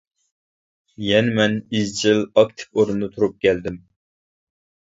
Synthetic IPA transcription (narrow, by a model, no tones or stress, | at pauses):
jɛnɪmɛnizt͡ʃʰɪlɑkt̪ʰɪ̥foɾund̪ɨt̪ʰuɾup̚kʲʰɛld̪ɪm